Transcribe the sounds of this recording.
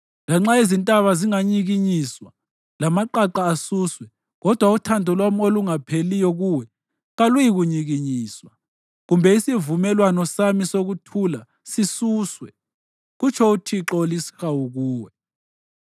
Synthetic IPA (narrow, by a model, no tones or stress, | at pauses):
laŋ͡ǁaezintʼaβaziŋaɲiɣiɲiswa | lamaǃaǃaːsuːswɛ | ɣɔd̥ʱwautʰandʱɔlwamoluŋapʰelijɔɣuwɛ | ɣalujiɣuɲiɣiɲiːswa | ɣumbʱɛisivumɛlwanɔsamisoɣutʰula | sisuːswɛ | ɣut͡ʃʰɔutʰiǁolisi̥xauɣuːwɛ